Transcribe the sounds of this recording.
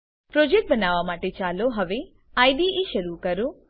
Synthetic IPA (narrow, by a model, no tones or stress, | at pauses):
pɾod͡ʒek̚ʈ̚bənaʋamaʈet͡ʃaloɦəʋe | ajɖieʃəɾukəɾũ